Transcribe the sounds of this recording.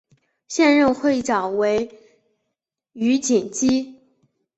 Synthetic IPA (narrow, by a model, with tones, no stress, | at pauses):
ɕjɛ˥˧nɻə˥˧nxwe˥˩ɪʈ͡ʂɑ˨˩ʊwe˧˥ɪ | y˧˥t͡ɕi˨˩ŋt͡ɕi˥